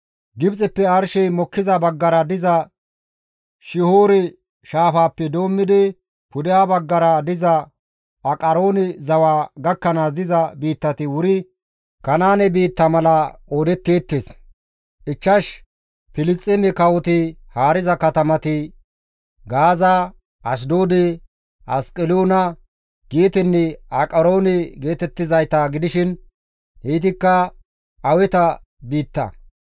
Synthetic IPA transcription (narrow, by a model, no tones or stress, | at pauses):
ɡɪbt͡sʼɛpːɛɐɾʃɛjmɔkːɪzɐbɐɡːɐɾɐd̪ɪzɐ | ʃɪhoːɾɛ | ʃaːfaːpːɛd̪o̞ːmːɪd̪ɪ | pʊd̪ɪjaːbɐɡːɐɾɐd̪ɪzɐ | ʔɐkʼɐɾoːnɪzɐwaːɡɐkːɐnaːsd̪ɪzɐbiːt̪ːɐt̪ɪwʊɾɪ | kɐnaːnɛbiːt̪ːɐmɐlɐoːd̪ɛt̪ːeːt̪ːeːs | ʔɪt͡ʃːɐʃ | pɪlɪst͡sʼːɪmɪkɐwɔt̪ɪhaːɾɪzɐkɐt̪ɐmɐt̪ɪ | ɡaːza | ɐs̬d̪oːd̪ɛ | ʔɐskʼɪloːnɐ | ɡ̥eːt̪ɪnːɛɐkʼɐɾo̞ːnɛɡe̞ːt̪ɛt̪ːɪzɐjt̪aɡɪd̪ɪʃɪn | hiːt̪ɪkːɐ | ɐwɛt̪ɐ | biːt̪ːɐ̰